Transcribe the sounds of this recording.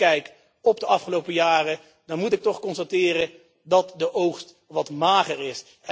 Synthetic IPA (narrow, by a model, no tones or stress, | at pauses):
ɛjk | ɔbdəʔɑfχəlowpəjaːrə | d̥ɑnmutɪk̚tɔχkɔnstatɪːrən | dɑtdəʔowχst | ʋɑtmaːχərɪs